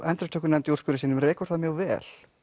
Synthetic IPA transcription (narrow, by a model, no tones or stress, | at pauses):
ʔɛnt̪ɾɛt̪ʰœːkːʏɾnɛmt̪jurskʏɾɪsiːnʏmɾrɛːkʏ̥ɾ̥θaðmjœɣvɛ̰ːl̥